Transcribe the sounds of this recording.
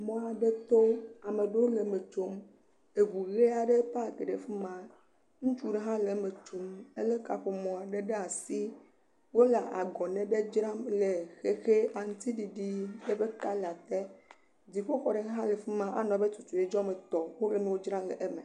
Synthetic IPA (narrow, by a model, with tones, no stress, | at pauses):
mɔ̃˨˦a˨ɖe˦t̪o˦a˨me˨ɖe˦wo˦le˨me˨t͡ʃo˦m | e˨βu˨ɣe˦a˨ɖe˦pa˦˨ɡe˨ɖe˨fe˦mã˦ | ŋũ˦t͡ʃu˦ɖe˦ɦã˦le˨me˨t͡ʃo˨me˦le˦ka̰˨ɸo˨mɔ̃˨a˨ɖe˦ɖe˦a˨si˦ | wo˦la˨a̰˨ɡɔ˨nɛ̃˨be˦d͡ʒɾã˦mle˨xe˦xe˦ʔa˨ŋũ˦t̪i˦ɖi˨ɖi˦ɖe˦be˦ka˦la˨t̪ɛ˦ | d͡zi˨ɸo˦ɸɔ˨ɖe˨˦ɦã˦le˨fi˦mã˦ʔa̰˨nɔ̃˨be˦t̪u˨t͡ʃu˨e˨d͡ʒɔ˦me˨t̪ɔ˨wo˦le˦nũ˦wo˦d͡ʒɾã˦lḛ˨ʔe˦me˨